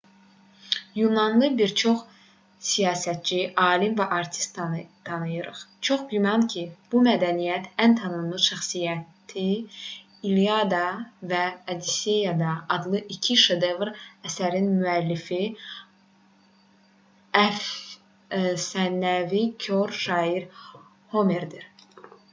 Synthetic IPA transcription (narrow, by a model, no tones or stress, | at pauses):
junɑnlˠɯbiɾt͡ʃʰoχ | sijɑːsæt̪̚t͡ʃiʔɑːlimvæʔɑɾt̪ʰi̥st̪t̪ʰɑnɯjɯɾɯ̰χt͡ʃʰo̞χɡymɑncʰib̥umæd̪ænijæt̪ʰænt̪ʰɑnɯnlˠɯʃæχsijæt̪ʰi | iliɑd̪ɑvæːd̪isejɑd̪ɑːd̪lˠɯʔicʰiʃed̪evɾæsæɾinmyælːifi | æf | sænːævikʰoɾʃɑːiɾ | homeɾd̪iɾ